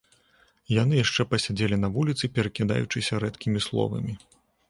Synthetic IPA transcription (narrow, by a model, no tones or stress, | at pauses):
janɨjaʂt͡ʂɛpɐsʲad͡zʲelʲinɐvulʲit̪sɨpʲɛɾɐkʲid̪a̰jut͡ʂɨsʲɐɾɛt̪kʲimʲislˠɔ̰vɐ̰mʲi